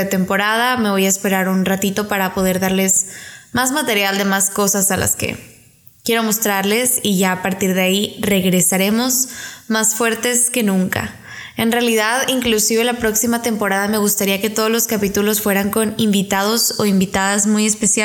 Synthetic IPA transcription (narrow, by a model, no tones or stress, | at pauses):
et̪e̞mpo̞ɾaðame̞βo̞jaespe̞ɾaɾunrat̪it̪o̞paɾapo̞ð̞e̞ɾðaɾle̞zmazmat̪e̞ɾjald̪e̞masko̞sasala̰skḛ | kje̞ɾo̞mo̞st̪ɾaɾle̞siʝaːpaɾt̪iɾðeaire̞ɣɾe̞saɾe̞mo̞zmasfwe̞ɾt̪e̞ske̞nũŋka̰ | e̞nrealiðaðiŋklusiβelapɾo̞ksimat̪e̞mpo̞ɾaðame̞ɣ̞ust̪aɾiaket̪o̞ð̞ozlo̞skapit̪ulo̞sfwe̞ɾaŋko̞nimbit̪að̞o̞so̞imbit̪aðazmuje̞spe̞sja